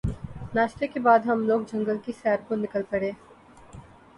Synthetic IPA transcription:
naːʃt̪ekebaːd̪ɦɐmloːɡ̚d͡ʒɐ̃ŋɡəlkisɛːɾkonɪkəlpɐɽeː

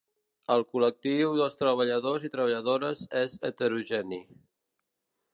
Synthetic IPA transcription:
əlˠkulək̚t̪iwðəlˠst̪ɾəβ̞əʎəðozit̪ɾəβəʎəðoɾəzezət̪əɾuʒɛni

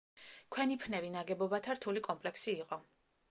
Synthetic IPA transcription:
kʰwɛnipʰnɛvinaɡɛbɔbat̪ʰaɾt̪ʰulikʼɔmpʼlɛksiːqʼɔ

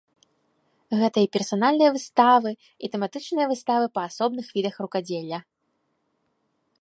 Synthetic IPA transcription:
ɣɛt̪ɐipʲɛrsanalʲnɨjɐvɨst̪avɨ | it̪ɛmat̪ɨt͡ʂnɨjɐvɨst̪avɨpɐːsɔbn̪ɨxvʲid̪ɐxrukad͡zʲelʲːɐ

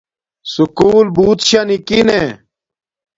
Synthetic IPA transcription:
sukuːlbuːt̪ɕanikine

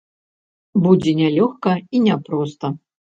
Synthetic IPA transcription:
bud͡zʲɛnʲalʲɔxkɐinʲapɾɔst̪ɐ

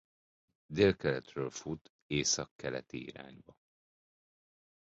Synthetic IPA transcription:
d̪eːlkɛlɛt̪røːlfut̪ | eːsɒkːɛlɛ̰t̪iḭɾa̰ːɲbɒ

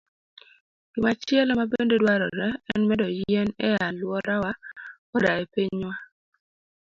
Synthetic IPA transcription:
kimat͡ʃɪɛlɔmabendedwaɾɔ̰ɾɛɛnmɛdɔjɛnɛjalwɔɾawa | ɔdaepeɲwa

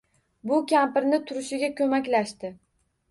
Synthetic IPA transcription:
bʊkʲʰampɪɾnɪt̪ʰʊɾɪʃɪɡʲakʲʰɵmakʲlaʃt̪ɪ

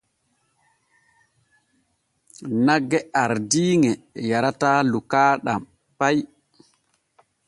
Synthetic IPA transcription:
naɡːɛaɾdiːŋɛjaɾataːlukaːɗam | paj

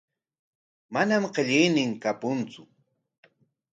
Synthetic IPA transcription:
manamɢeʎɪjnɪŋkapʊnt͡sʊ

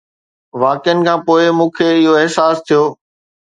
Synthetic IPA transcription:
ʋaːkɪjənɪ̆kʰãːpoːɪmũːkʰeɪɦoeɦsaːst̪ʰijoː

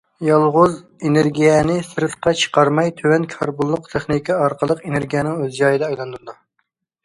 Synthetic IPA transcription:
jɑlˠʁʊz | enɪɾɡʲijɛnɪsɨɾɨt̪qɑt͡ʃʰə̥qʰɑɾmɑjt̪ʰøwɛnkʰɑɾbulˠːʊqt̪ʰeχnikʰʲiɑɾqʰəlˠəqeneɾɡʲijɛnɪŋøzd͡ʒɑjɨd̪ɛɑjlˠɑnd̪uɾɨd̪u

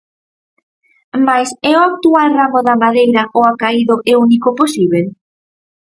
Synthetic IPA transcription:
majsɛʊak̚t̪ualramʊðɐmaðejɾɐʔoakaiðʊʔeunikʊposiβel

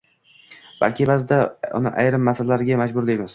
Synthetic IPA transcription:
b̥a̰lkʲɪbazɪd̪aʊ̰nɪ̰ʔa̰jɾɪmːasallaɾɪɡʲamad͡ʒbʊɾlɪjmas

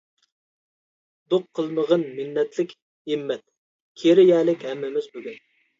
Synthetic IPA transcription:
d̪oqʰːəlˠnəʁənmɪnːɛt̪lɪkʲ | imːɛt̪̚ | kʲʰeɾɪjɛːlɪkʲɦɛmːɪmɪzbøɡʲyn

